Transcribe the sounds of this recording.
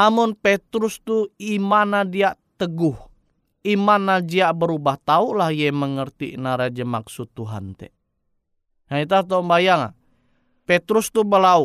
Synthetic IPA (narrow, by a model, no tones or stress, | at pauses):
amʊnpɛt̪ɾʊst̪uimanadiaʔt̪əɡʊh | imanːad͡ʒiaʔbəɾubaht̪aulahjɛməŋərt̪ḭnaɾad͡ʒamaksut̪ːuɦa̰nt̪ɛ̰ | nait̪̬aht̪ombajaŋa̰ | pɛt̪ɾust̪ubəlau